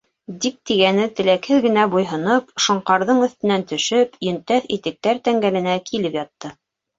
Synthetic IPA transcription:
d̪ik̚t̪iɡænɘt̪ɘ̆lækhɘðɡɘ̆næbujɦɤ̆nɤpʃŏɴqɑɾðɤɴɵ̆θt̪ɘ̆nænt̪ɵ̆ʃɵpjɵ̆nt̪æθit̪ɘ̆k̚t̪æɾt̪æŋɡælɘ̆nækʰilɘpjɑt̪ːɤ

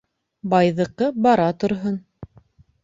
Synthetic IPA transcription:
bɑjðɤ̆qɤbɑɾɑt̪ŏɾɦon

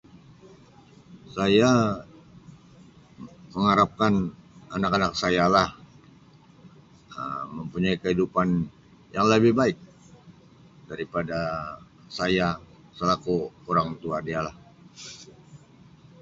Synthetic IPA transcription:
saja | məŋaɾap̚kananakanak̚sajalah | ə̰məmpuɲaikəɦidupan | jaŋləbɪhbaɪk̚ | daɾipada | saja | səlakuoɾaŋt̪uadialah

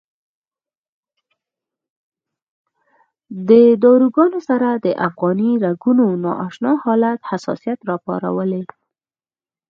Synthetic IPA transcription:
d̪əd̪ɑɾuɡɑnosaɾad̪əʔafɣɑniɾaɡunonɑ̰ʔɑʃnɑhɑlat̪hasɑ̰sijat̪ɾɑpɑ̰ɾa̰wəle

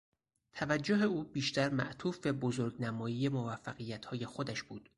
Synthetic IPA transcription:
t̪ʰævæd͡ʒːoɦe̞uːbiːʃt̪æɾmæ̰ʔt̪ʰuːfbebozoɾɡnæmɒːjiːjemovæfːæɣijːæt̪ʰhɒːje̞xod̪æʃb̥uːd̪̥

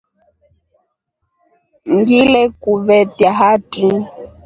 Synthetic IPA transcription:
ŋɡilɛkuβɛtjaɦatu

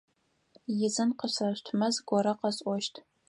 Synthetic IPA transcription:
jɪzɨnqəɕrɐɕtʰmɐzɡʷɔɾɐqɐɕʼʷɔʃtʰ

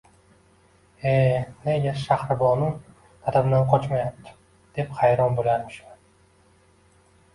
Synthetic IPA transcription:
ene̞ɡʲaʃahɾɪbɒnʊn | t̪ʰat̪abnanqʰɒt͡ʃmajap̚t̪ʰɪ̥ | d̪̥e̞phajɾɒnbolajaɾmɪʃman

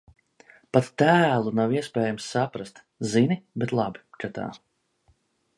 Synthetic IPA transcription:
pat̪ːæːlˠunawiɛspɛːjamsːapɾast̪ | zinibet̪lˠabi̥kat̪a̰ː

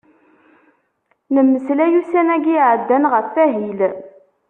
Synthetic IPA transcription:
nəmːəslæjusænæɡiʕəd̪ːænʁəfːæɦil

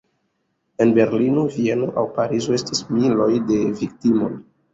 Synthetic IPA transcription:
e̞nbe̞ɾlinovienoʔawpaɾizoe̞stismilo̞jde̞vik̚timo̞n

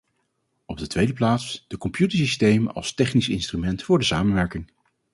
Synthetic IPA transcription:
ɔb̚dətʋejdəplaːtsd̥əkɔmpjutəɹsistejmənɑ̰lˠstɛχnisɪnstrymɛntfʊːɹdəsa̰ːmənʋɛɹkɪŋ

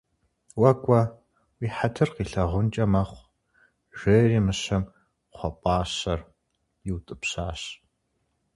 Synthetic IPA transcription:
wɐkʷʼɐ | wiːħatʰɨrqiːɬɐʁʷʊnt͡ʃʼɐmɐχʷ | ʒ̥eːriːmɨɕɐm | χʷɔpʼɑːɕɐr | jɪwtʼɨpsaːɕ

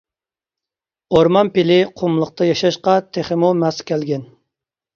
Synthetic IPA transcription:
oɾmɑnpɪlɪqʰʊmlˠəq̚t̪ʰɑjɑʃɑʃqɑt̪ʰeχɪmumɛskʲɛlɡʲɛn

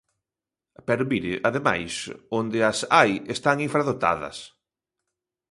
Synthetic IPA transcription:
pɛɾomiɾɪ̰ʔaðema̰jsond̪ɪɐsajest̪aŋiɱfɾaðot̪a̰ðɐ̰s

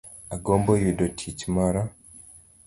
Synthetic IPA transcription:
aɡoːmbojidotʰicimaɾa

